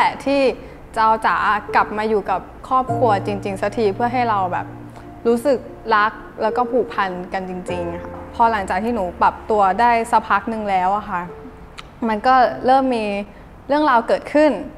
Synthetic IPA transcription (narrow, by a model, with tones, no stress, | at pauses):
lɛː˨˩t̪ʰiː˥˩ | t͡ɕa˧ʔa˧wt͡ɕa̰ː˩˦ʔa˩kla˨˩p̚maː˧juː˨˩ka˨˩p̚kʰɔː˥˩p̚kʰu˧ɐt͡ɕi˧ŋt͡ɕi˧ŋsa˧t̪ʰiː˧˩pʰɯ˥˩ɐɦa˥˩jɾa˧wbɛ̰ː˨˩p̚ | ɾuː˦˥sɯ˨˩k̚la˦˥k̚lɛː˦˥wkɔː˥˩pʰuː˨˩pʰa˧nka˧nt͡ɕi˧ŋt͡ɕi˧ŋa˨˩kʰa˦˥˩pʰɔ˧la˩˦ŋt͡ɕaː˨˩k̪̚ʰiː˥˩nuː˩˦pa˨˩p̚t̪u˧ɐdaː˥˩jsa˧˥pʰa˦˥k̚nɯ˧ŋlɛː˦˥wʔa˨˩kʰa˦˥˩ʔ | ma˧nkɔː˥˩ɾɤː˥˩mːiː˧ | ɾɯ˥˩əŋɾaː˧wkɤː˨˩t̪̚kʰɯ˥˩n